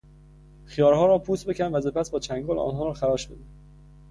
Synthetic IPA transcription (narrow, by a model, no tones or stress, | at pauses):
xijɒːɾhɒːɾɒːpʰuːsbe̞cʲʰænvæse̞pʰæsbɒːt͡ʃʰæŋɡɒːlʔɒ̰ːnɦɒːɾɒːxæɾɒːʃbḛd̪i